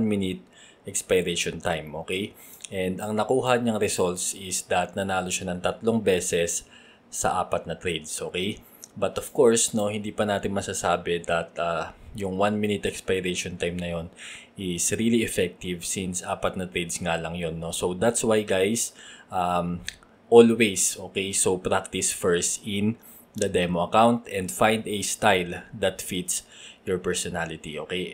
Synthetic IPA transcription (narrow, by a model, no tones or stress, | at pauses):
nmɪnɪt̪̚ | ʔɛkspajɾɛʃont̪ajmʔo̞ːkɛj | ʔɛnd̪ɐŋnɐkuːɦɐɲɐŋɾɛsolt̪sɪsd̪ɐt̪̚nɐnaːlo̞ʃanɐŋt̪ɐt̪lo̞ŋbɛːsɛsː | ɐ̰ʔa̰ːpɐt̪̚nɐt̪ɾɛjd̪sʔo̞ːkɛj | bɐt̪ov̥ko̞ɹsno̞hɪ̃nd̪iːpɐnaːt̪ɪnmɐsaːsaːbɛd̪ɐt̪̚ʔajʊŋwanmɪnɪt̪ʔɛkspajɾɛʃont̪ajmnɐjo̞nʔɪsɹiliɛfɛk̚t̪ɪvsinsʔa̰ːpɐt̪̚nɐt̪ɾed̪sŋaːlɐŋjonːo̞sod̪at̪swajɡajsʔam | ʔolwesʔoːkejsowpɹak̚t̪ɪsfɛɹst̪ɪ̃n | d̪ɐd̪ɛmoɐkawnt̪ɛ̃nd̪fãjnd̪ɛst̪ajld̪ɐt̪fit̪sjɔɹpɛɹsɔnalɪt̪iʔo̞ːkej